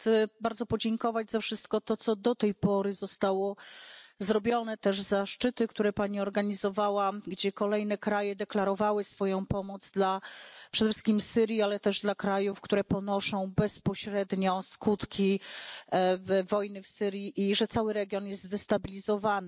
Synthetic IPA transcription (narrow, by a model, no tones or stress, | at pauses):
xt̪sɛbaɾd̪zɔpɔd͡ʑɛŋkɔvad͡ʑzafʂɘst̪̚kɔt̪ɔt̪sɔd̪ɔt̪ɛjpɔɾɘzɔst̪awɔ | zɾɔbʲjɔnɛt̪ɛʐzaʂt͡ʂɘt̪ɘkt̪uɾɛpaɲiɔɾɡaɲizɔvawaɡd͡ʑɛkɔlɛjn̪ɛkɾajɛd̪ɛklaɾɔvawɘsfɔjɔ̃w̃pɔmɔd̪zd̪lapʂɛd̪ɛfʂɘ̥skʲimfsɘɾʲjialɛt̪ɛʐd̪lakɾajufkt̪uɾɛpɔnɔʂɔ̃w̃bɛspɔɕɾɛd̪ɲɔskut̪kʲʰi | vvɔjnɘfsɘɾʲjiʔiʐɛt̪sawɘɾɛɡʲjɔnjɛst̪zd̪ɛst̪abʲilʲizɔvanɘ